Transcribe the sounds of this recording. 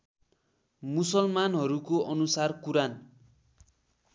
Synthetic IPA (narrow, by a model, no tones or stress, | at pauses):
musʌlmanɦʌɾukoʔʌnusarkuɾan